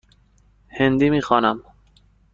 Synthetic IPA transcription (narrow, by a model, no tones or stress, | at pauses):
hend̪imixɑːnam